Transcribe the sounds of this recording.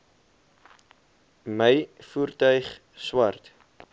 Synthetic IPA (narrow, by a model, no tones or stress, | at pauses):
məjfuːrtœɥχ | swɐrt